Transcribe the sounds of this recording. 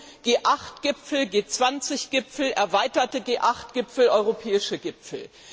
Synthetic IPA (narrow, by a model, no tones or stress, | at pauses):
ɡ̥eːʔaχtɡ̥ɪpfl̩ɡeːt͡sv̥ant͡sɪçɡ̥ɪpfl̩ʔɛɐvaɪtɐtəɡeːʔaχtɡ̥ɪpfl̩ɔʏʁopʰɛːɪʃəɡɪpp͡fl̩